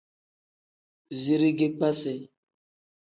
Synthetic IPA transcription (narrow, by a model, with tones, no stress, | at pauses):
zi˨ɾi˦ɡe˦k͡pa˦sɛ˨